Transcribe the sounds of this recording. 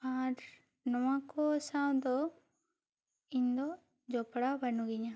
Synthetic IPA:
aɾ | nɔwakɔsaw̃d̪ɔ | iɲd̪ɔ | d͡ʒɔpɽabənuɡiɲa

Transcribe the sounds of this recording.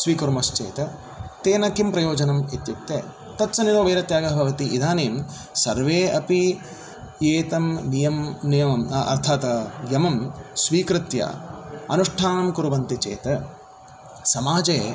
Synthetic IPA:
sʋiːkɐɾmɐst͡ʃḛːt̪ɐ | t̪eːnɐkimpɾɐjoːd͡ʒɐnɐmet̪jup̚t̪ːeː | t̪ɐtːsɐniɾoːʋeːɾɐt̪jaːɡɐɦbʱɐʋɐt̪iʔid̪ʱaːneːm | sɐɾʋeːɐpi | jeːt̪ɐmnijɐmnijɐmɐmɐ̰ɾt̪ʰaːt̪ɐjɐmɐmsʋiːkɾɪt̪jɐ̰ɐ̰nuʂʈʰaːnɐmkuɾuʋɐnt̪it͡ʃḛːt̪ɐ | sɐmaːd͡ʒeː

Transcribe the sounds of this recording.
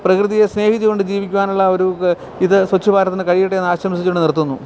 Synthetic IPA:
prɐkrɨðijesne̞ːhit̪ːiɣo̞ɳɖɨd͡ʑiːʋikʲːuʋaːnuɭːɐo̞ɾu | iðɨswɐt͡ɕːubaːɾɐt̪ːinɨkɐɻijiʈːeenːaːɕɾɐmɐsit͡ɕːoɳɖɨnirt̪ːunːu

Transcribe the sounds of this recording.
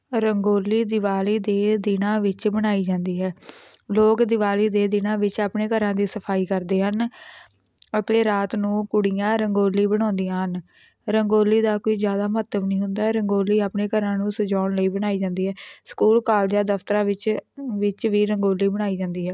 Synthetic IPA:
ɾəŋɡoːlːiːd̪ɪʋaːliːd̪eːd̪ɪnãːʋɪt͡ʃbəɽ̃aːiːd͡ʒãːnd̪iːɦɛːloːkd̪ɪʋaːliːd̪eːd̪ɪnãːʋɪt͡ʃaːpɳeːkəɾãːd̪iːsəpʰaːiːkəɾd̪eːɦən | ət̪eːɾaːt̪nũːkʊɽijãːɾəŋɡoːliːbəɽ̃ɔ̃ːnd̪ijãːɦən | ɾəŋɡoːlːiːd̪aːkoːiːzjaːd̪aːmət̪əbnəĩːɦʊnd̪aːɛːɾəŋɡoːliːaːpneːkəɾãːnũːsəd͡ʒaːɳləiːbəɽ̃aːiːd͡ʒãːnd̪iːɦɛːskuːlkaːld͡ʒaːd̪əft̪əɾãːʋɪt͡ʃʋɪt͡ʃʋiːɾəŋɡoːliːbəɽ̃aːiːd͡ʒãːnd̪iːɦɛː

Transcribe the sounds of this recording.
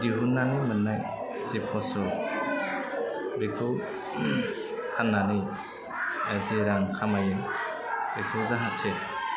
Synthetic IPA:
diɦunːanimɯnːaj | zipʰɔsɔ | bekʰɯw | hanːani | eziɾaŋkʰamajɯ | bikʰɯwzaɦat̚tʰe

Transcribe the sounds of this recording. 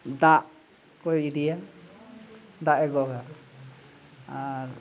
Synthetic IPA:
d̪aʔ | kɔjidija | d̪aʔɛɡɔɡa | aɾ

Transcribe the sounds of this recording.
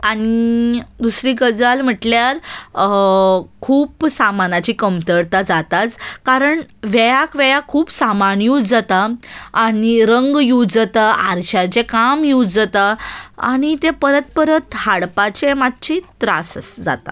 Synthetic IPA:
aɽ̃id̪usɾiːɡəd͡zalm̤əʈljaɾ | kʰuːpsamanat͡ɕiːkəmt̪əɾt̪ad͡zat̪at͡skaɾəɳʋɛjakʋɛjakʰuːpsamanjuːd͡zat̪aː | ñiɾəŋɡjud͡zət̪aʔaɾɕat͡ɕekamjud͡zət̪aa̰ɽ̃it̪epəɾət̪̚pəɾət̪haɽpat͡ɕemad̪̚t͡ɕit̪ɾa̰səsd͡za̰t̪a̰

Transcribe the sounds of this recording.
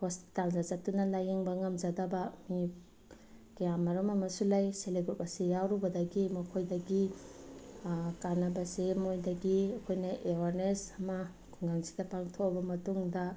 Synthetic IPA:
hospi̥taldazatːunɐlajeŋbɐŋɐmd͡ʒadɐbɐmi | kɐjamaɾɔmɐmɐsulajseleɡup̚ɐsejawɾubɐdɐɡimɐkʰojdɐɡi | kanɐbɐsemojdɐɡiɐkʰojnɐʔewaɾnesɐmɐ | ɡuŋɡaŋsi̥dɐpaŋtʰobɐmɐtuŋdɐ

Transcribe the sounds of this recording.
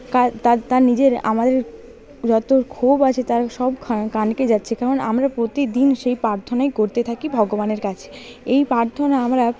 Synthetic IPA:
kat̪at̪aɾnid͡ʑeɾa̰mad̪eɾ | d͡ʑɔt̪okʰobat͡ɕʰet̪aɾʃɔbkʰakanked͡ʑatːɕʰekaɾonamɾapɾot̪id̪inʃejpɾaɾt̪ʰonaekoɾt̪et̪ʰakibʱɔɡobaneɾkat͡ɕʰe̥ | ejpaɾt̪ʰonaamɾa

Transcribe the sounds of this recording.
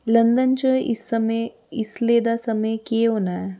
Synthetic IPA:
lɐ̃nd̪ənt͡ʃəɪ̰sɐm | ɪsleːd̪asɐməjkeɦoːnaɦɛː

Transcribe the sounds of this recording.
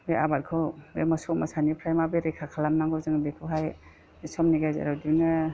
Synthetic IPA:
bea̰bat̚kʰɯwḛmɔsɔmasanipʰɾajmabeɾekʰakʰalamnaŋɡɯzɯŋbekʰɯɦaj | isɔmniɡajzḛɾadinɯ

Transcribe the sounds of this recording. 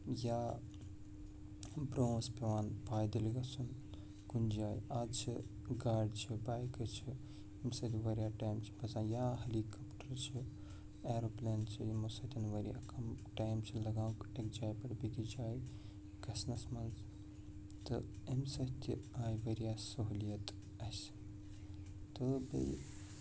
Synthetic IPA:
jaː | bɾõːnspeʋaːnpaːjd̪ɐliɡɐsun | kund͡ʒaːjaːt͡ʃʰi | ɡaːɖt͡ʃʰibaːjkɨt͡ʃʰi | ɐmsɐt̪ʲiʋɐɾijaːʈaːjmt͡ʃʰi̥bɐzãːjaːɦɐlikɐpʈɐɾt͡ʃʰi | eːɾopleːnt͡ʃʰiimusɐt̪ʲɐnʋɐɾija̰kɐmʈaːjmt͡ʃʰilɐɡãːwkekd͡ʒaːjpɐɽbikid͡ʒaːj | kɐsnɐsmɐnz | t̪ɨemsɐt̪ʲḭaːjʋɐɾijasɐɦulijɐt̪ | ɐs | t̪ɨbɐ̰j

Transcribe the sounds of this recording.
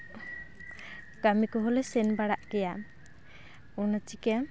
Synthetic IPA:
kamikɔɦɔlɛsɛnbaɽaʔkɛja | unat͡ʃika

